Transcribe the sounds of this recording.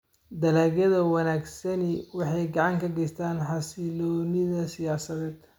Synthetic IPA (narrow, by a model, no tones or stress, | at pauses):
d̪ɐlaːɣɐðɐwɑnaːɡsɐnɪwɑħɑjɡɑʕɑŋkʰɐɡɛjst̪ʰaːnħɑsɪlɔːnɪðɐsɪjaːsɐðɛːd̪